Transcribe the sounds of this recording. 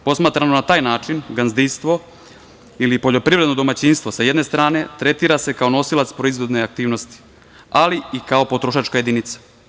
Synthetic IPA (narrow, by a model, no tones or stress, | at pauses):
po̞smaːt̪ɾamonat̪aːjnaːt͡ʃinɡanzd̪inst̪ʋo̞ | ilipo̞ʎo̞pɾiʋɾed̪no̞d̪o̞mat͡ɕiːnst̪ʋo̞sajed̪ne̞st̪ɾaːne̞t̪ɾe̞t̪iːɾase̞kao̞no̞silat̪spɾo̞izʋo̞d̪neak̚t̪iːʋno̞st̪i̥ | aliikao̞pot̪ɾoʃaːt͡ʃkajed̪init̪sḁ